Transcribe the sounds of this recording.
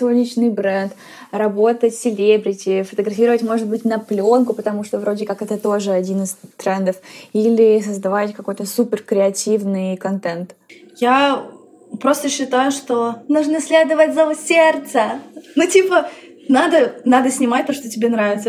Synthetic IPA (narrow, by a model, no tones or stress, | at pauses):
svonʲɪt͡ɕnɨjbɾɛnt̪ | rɐbo̞t̪ətʲsʲɪlʲebɾʲɪtʲɪfət̪əɡɾɐfʲiɾəvətʲmo̞ʐɨd̪̚bɨtʲnɐplʲo̞nkʊpət̪ɐmuʂt̪ovɾo̞dʲɪkakɛt̪ət̪o̞ʐɨɐdʲinɨst̪ɾɛnd̪əfilʲɪsəzd̪ɐvatʲkɐko̞jt̪əsupʲɪrkɾʲɪɐtʲivnɨjkɐnt̪ɛnt̪ | ja | pɾo̞st̪əɕːɪt̪ajʊʂt̪o̞nuʐnɨsʲlʲed̪əvətʲzɐʊsʲert̪sənutʲipə | nad̪ənad̪əsʲnʲɪmat̚ʲt̪oʂt̪otʲɪbʲenɾavʲɪt̪sə